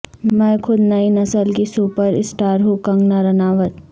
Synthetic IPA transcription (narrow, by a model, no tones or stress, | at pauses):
mɛ̃ːkʰʊd̪nɐinɐsəlkisuːpəɾɪsʈaːɾɦokɐ̃ŋɡnaɾɐnaːʋət̪